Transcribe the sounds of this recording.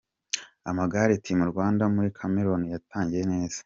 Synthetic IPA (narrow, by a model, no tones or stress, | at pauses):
amaɡaɾetimuɾɡwaːndamuɾikʰameɾo̞nijatʰaːɲɟijene̞ːz̥ḁ